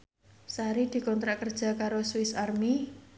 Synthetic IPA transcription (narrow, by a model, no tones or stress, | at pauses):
saɾid̪̥i̤kɔnt̪ɾaʔkərd̥ʒ̥a̤kaɾoswɪsarmi